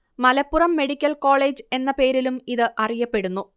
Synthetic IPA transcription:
mɐlɐpːurɐmːe̞ɽikʲːɐlko̞ːɭe̞ːd͡ʑɨe̞nːɐpe̞ːɾilumiðɨʔɐrijɐpːe̞ɽunːu

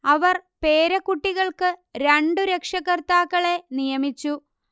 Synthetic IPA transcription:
ɐʋɐrpe̞ːɾɐkːuʈːiɣɐɭkɨɾeɳɖɨɾekʂɐɣɐrt̪aːkːɐɭe̞nijɐmit͡ɕːu

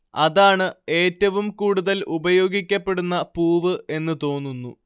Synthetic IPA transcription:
ɐðaːɳɨe̞ːtːɐʋumkuːɽuðɐlʔubɐjo̞ːɡikʲːɐpːe̞ɽunːɐpuːʋɨʔe̞nːɨt̪o̞ːnːunːu

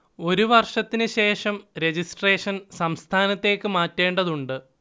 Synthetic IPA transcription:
o̞ɾuʋɐrʂɐt̪ːinɨɕe̞ːʂɐmɾe̞d͡ʑisʈreːʂɐnsɐmst̪ʰaːnɐt̪ːe̞ːkːɨmaːtːe̞ːɳɖɐðuɳɖɨ

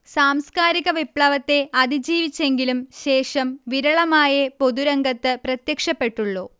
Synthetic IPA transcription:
saːmskaːɾiɣɐʋipɭɐʋɐt̪ːe̞ʔɐðid͡ʑiːʋit͡ɕːe̞ŋɡilumɕe̞ːʂɐmʋiɾɐɭɐmaːjɐpo̞ðuɾɐŋɡɐt̪ːɨprɐt̪jɐkʂɐpːe̞ʈːuɭːoː

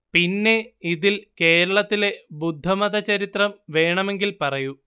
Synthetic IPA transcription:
pinːe̞iðilke̞ːɾɐɭɐt̪ːile̞bud̪ʱːɐmɐðɐt͡ɕɐɾit̪rɐmʋe̞ːɳɐme̞ŋɡilpɐrɐju

